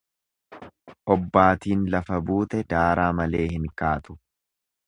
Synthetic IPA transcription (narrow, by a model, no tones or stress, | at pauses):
ʔɔbːaːt̪iːnlɐfɐbuːt̪ɛd̪aːɾaːmɐle̞ːhɪŋkaːt̪ʊ̥